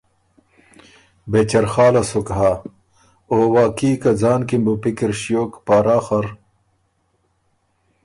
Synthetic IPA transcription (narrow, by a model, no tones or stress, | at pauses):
bet͡ɕɐɾxaːlɐsokɦaː | oːwaːkiːkɐd͡zaːnkimbupikiɾɕijoːkpaːɾaːxɐɾ